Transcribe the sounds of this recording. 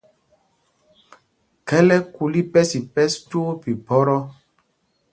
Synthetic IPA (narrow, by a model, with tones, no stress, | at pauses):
kɛ˦lɛ˦ku˨li˦pɛ˦si˨pɛ˦stu˦o˦pi˨bɔ˦ɾɔ˦